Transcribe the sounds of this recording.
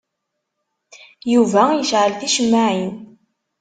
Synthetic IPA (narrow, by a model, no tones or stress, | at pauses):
juvæjəʃʕəlθiʃəmːaʕin